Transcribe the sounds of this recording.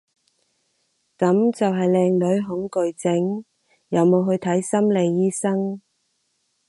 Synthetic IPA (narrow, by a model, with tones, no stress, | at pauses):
kɐ˨˥mt͡sɐ˨wɦɐ˨jlɛː˧ŋlɵ˨˥ɥɦʊ˨˥ŋkɵ˨ɥt͡sɪ˨˥ŋ | jɐ˨˧wmo˨˧wɦɵ˧ɥt̪ʰɐ˨˥jsɐ˥mle˨˧jːiː˥sɐ˥ŋ